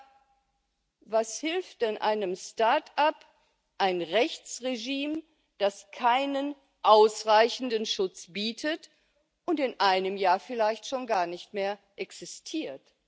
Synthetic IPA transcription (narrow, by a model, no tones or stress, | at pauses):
vashɪlftanʔa̰ɪnəmstaɐtap | ʔaɪnʁɛçt͡sʁeʒiːm | d̥askʰaɪnən | ʔaʊsʁaɪçn̩dənʃʊt͡sb̥iːtʰət | ʔʊntɪnʔaɪnəmjaːɐfɪlaɪçtʃoːnɡaːɐnɪçtmeːɐʔɛksɪstʰiːɐt